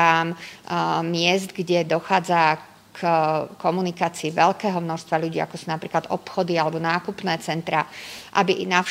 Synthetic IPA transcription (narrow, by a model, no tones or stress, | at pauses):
amː | ɪɛzd̪ɡɟɛd̪ɔxaːd͡za | kkɔmunikaːt͡siːʋɛʎkɛːɦɔmnɔʃst̪ʋaʎuɟiːa̰kɔsunapɾiːklad̪ɔ̰pxɔd̪ialɛbɔnaːkupnɛːt͡sɛnt̪ɾaʔa̰bina